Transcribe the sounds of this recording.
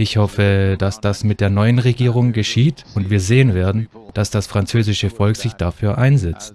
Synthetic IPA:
ʔɪçhɔfəd̥asd̥asmɪt̚d̥eːɐnɔʏənʁeɡiːʁ̞ʊŋɡəʃiːtʊntv̥iːɐzeːənveːɐdn̩d̥asd̥asfʁ̥ant͡søːzɪʃəfɔlkz̥ɪçd̥afyːɐʔaɪnzɛt͡st

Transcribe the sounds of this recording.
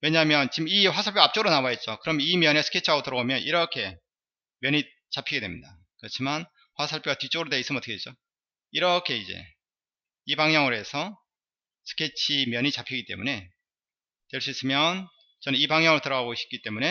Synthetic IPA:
we̞ɲaɦamjʌnt͡ɕimiɸwasʰaɭpʰjoap̚t͡ɕ͈oɡɯɾonawaet̚t͡ɕ͈okɯɾʌmjnimjʌne̞sʰɯ̥kʰet͡ɕʰiaɡotɯɾʌɡomjʌnʔiɾʌkʰe̞ | mjʌɲi | t͡ɕapʰiɡe̞dwe̞mɲḭda | kɯɾʌt͡ɕʰiman | ɸwasʰaɭpʰjoɡatit͡ɕ͈oɡɯɾodeis͈ɯmnʌtɯ̥kʰdet͡ɕ͈o | iɾʌkʰe̞id͡ʑe̞̰ | ibaŋɲʌŋɯɾoe̞sʰʌ | sʰɯ̥kʰet͡ɕʰimjʌɲit͡ɕapʰiɡit͈e̞mune̞ | twe̞ɭs͈uis͈ɯmjʌn | t͡ɕʌnɯnibaŋɲʌŋɯɾotɯɾʌɡaɡoɕʰi̥k͈it͈e̞mune̞

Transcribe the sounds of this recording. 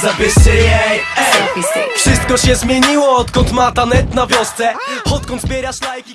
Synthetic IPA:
zapʲɪʂt͡ɕɛjɛjɛisfʂɨst̪̚kɔɕɛzmʲjeɲiwɔɔt̪kɔnt̪mat̪anɛt̪navʲjɔst̪sɛɔt̪̚kɔnt̪bʲjɛɾjaɕlajkʲi

